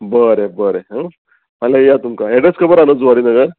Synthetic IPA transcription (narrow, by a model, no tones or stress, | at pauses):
bəɾebəɾeɦə̃ | malajat̪umkaeɽəskəbəɾanət͡sʋaɾiːnəɡəɾ